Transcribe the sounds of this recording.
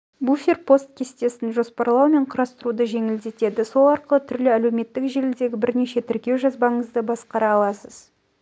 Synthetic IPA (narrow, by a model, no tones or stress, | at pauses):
bufʲerpʰo̞st̪̚kʲʰe̞st̪e̞sɪnʒo̞spɑɾlˠɑwme̞ɴqʰʊɾɑst̪əɾud̪əʒe̞ŋɪld̪e̞t̪e̞d̪ɪso̞lˠɑɾqəlˠət̪ʰʏɾlɪælewme̞t̪ːɪkʒelɪld̪e̞ɡʲɪbɪɾne̞ʃe̞t̪ʰɪɾkʲe̞wʒɑzbɑɴəzd̪əbɑsqɑɾɑːlˠɑsəz̥